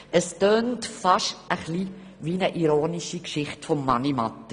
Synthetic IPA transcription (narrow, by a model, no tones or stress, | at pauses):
ʔəstøːntfɑʃəχli | ʋinəʔiɾoːniʃikʃɪχtfɔmːɑnimɑtːə